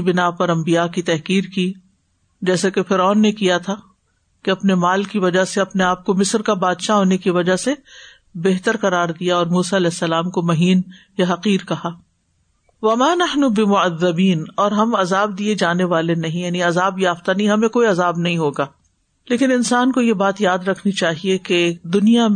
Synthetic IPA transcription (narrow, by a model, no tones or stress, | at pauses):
bɪnapɐɾɐ̃mbijaːkit̪ɛɦkiːɾki | d͡ʒɛːsakefɪɾɔːnːekijat̪ʰa | keɐpnemaːlkiʋɐd͡ʒaɦseɐpneaːp̚komɪsɾkabaːd̪ʃaɦoːnekiʋɐd͡ʒase | beɦt̪əɾqɐɾaːɾd̪ijaɔːɾmuːsaɐlɛːsːɐlaːmkomɐɦiːnjaɦɐqiːɾkɐhaː | ʋɐmaːnɐħnubɪmʊɐðːɐbiːnɔːɾɦɐmɐzaːb̚d̪ied͡ʒaːneʋaːlenɐɦĩjaːniɐzaːbjaːft̪anɐɦĩɦɐmẽkoːiɐzaːbnɐɦĩɦoːɡaː | leːkɪnɪnsaːnkojebaːt̪jaːd̪ɾɐkʰnit͡ʃaːɦieked̪ʊnija